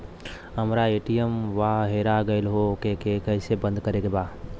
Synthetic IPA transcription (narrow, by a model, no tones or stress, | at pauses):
ɦəmɾaeːʈijəmʋaːɦeːɾaɡɐɪlɦokekekɛːsebə̃nd̪kɐɾeɡebaː